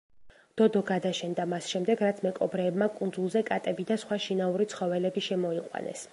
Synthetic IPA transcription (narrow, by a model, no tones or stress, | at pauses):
d̪̥ɔd̪ɔɡad̪aʃɛnd̪amasʃɛmd̪ɛɡɾat̪sʰmɛkʼɔbɾɛːbmakʼund̪zulˠzɛkʼat̪ʼɛbid̪asχwaʃinauɾit̪sʰχɔvɛlɛbiʃɛmɔiqʼwa̰nɛ̰s